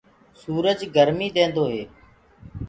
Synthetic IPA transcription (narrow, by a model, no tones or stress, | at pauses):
suːɾəd͡ʒɡəɾmiːd̪ẽːnd̪oːɦeː